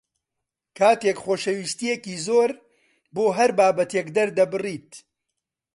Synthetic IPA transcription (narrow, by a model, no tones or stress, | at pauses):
kʰaːt̪eːkχoːʃɐwiːst̪ijekiːzoːɾ | boːɦɐɾbaːbɐt̪eːkd̪ɐɾd̪ɐbɨriːt̪